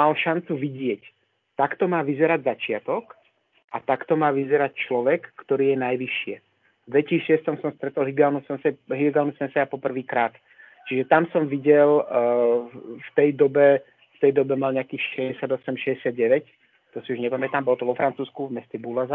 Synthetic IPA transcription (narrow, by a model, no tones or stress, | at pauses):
alʃant͡suʋiɟɪɛc | t̪akt̪ɔmaːʋizɛɾaɟzat͡ʃɪat̪ɔk | ʔat̪akt̪ɔmaːʋizɛɾact͡ʃlɔʋɛkːt̪ɔɾiːjɛnajʋiʃɪɛ | d̪ʋɛciːʃɪɛst̪ɔmsɔmst̪ɾɛt̪ɔlɦiɡaːlnusɛnsɛɦilɛɡaːlnusɛnsɛɾapɔpr̩ʋiːkɾaːt̪ | t͡ʃiʒɛt̪amsɔmʋiɟɛl | ft̪ɛjd̪ɔbɛ | ft̪ɛjd̪ɔbɛmalɲɛakiːxʃɛɟɛsɪad̪ɔsɛmʃɛɟɛsɪad̪̚ɟɛʋɛc | t̪ɔsiuʒɲɛpamɛt̪aːmbɔlɔt̪ɔʋɔfɾant͡suːskuvmɛscɛbulaza